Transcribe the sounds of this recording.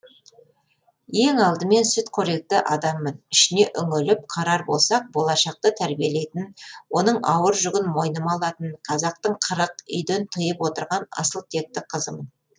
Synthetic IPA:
je̞ŋɑlˠd̪əme̞nsʏt̪kʲʰɵɾe̞k̚t̪ɪʔɑd̪ɑmːənɪʃɪne̞ʔʏŋʏlɪp̚qʰɑɾɑɾbo̞̰lˠsɑq̚bo̞lˠɑʃɑq̚t̪ət̪ʰæɾbije̞le̞jt̪ɪnwo̞nəɴɑwəɾʒʊɡʲɪnmo̞jnəmɑlˠɑt̪ənqʰɑzɑq̚t̪əɴqʰəɾəqʏ̰jd̪ent̪ʰəjəpwo̞t̪əɾʁɑnɑ̰səlˠt̪ʰe̞k̚t̪ːɪqʰəzəmən

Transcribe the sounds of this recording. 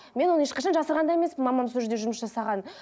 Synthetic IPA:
me̞nwo̞nəeʃqɑʃɑnʒɑsəɾʁɑnd̪ɑje̞me̞smɪnmɑmɑmsɵʒd̪e̞ʒʊməsʒɑsɑʁɑn

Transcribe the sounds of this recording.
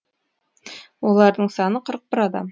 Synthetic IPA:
wo̞lˠɑɾd̪əɴsɑnəqʰəɾəq̚bɪɾɑd̪ɑ̰m

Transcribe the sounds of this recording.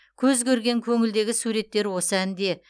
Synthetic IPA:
kʲʰɵzkʲʰɵɾɡʲe̞ŋkʲʰɵŋɪld̪e̞ɡʲɪsuɾe̞t̪ːe̞ɾwo̞səænd̪e̞

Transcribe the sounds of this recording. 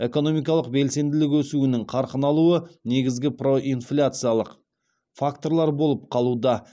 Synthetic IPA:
e̞ko̞no̞mijk̬ɑlˠəq̚be̞lse̞nd̪ɪlɪkwɵsuɪnɪŋqʰɑɾqənɑlˠuəne̞ɡʲɪzɡʲɪpro̞ʔinflʲat̪sɨjalˠəq | fakt̪o̞ɾlˠɑɾbo̞lˠəp̚qʰɑlˠud̪ɑ

